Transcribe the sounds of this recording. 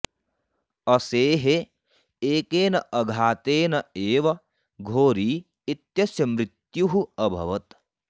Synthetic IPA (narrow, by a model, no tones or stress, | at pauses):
ɐseːɦe | eːkeːnɐʔɐɡʱaːt̪eːnɐeːʋɐ | ɡʱoːɾiː | it̪jɐsjɐmɾit̪juɦuɐbʱɐ̰ʋɐt̪